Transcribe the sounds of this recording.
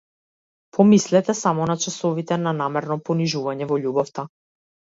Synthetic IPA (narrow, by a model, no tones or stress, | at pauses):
pʰɔmislɛt̪ɛsamɔnat͡ʃasɔvit̪ɛnanamɛɾnɔpɔniʒuvaɲɛvɔʎubɔft̪a